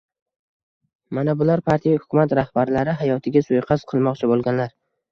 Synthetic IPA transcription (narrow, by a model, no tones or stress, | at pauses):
manabʊlaɾpʰaɾt̪ʰijahʊ̥kʰʊmat̪ɾahbaɾlaɾɪɦajɒt̪ʰɪɡʲasojqʰɑz̥qʰɨlˠmɒqt͡ʃʰabolˠɡʲanlaɾ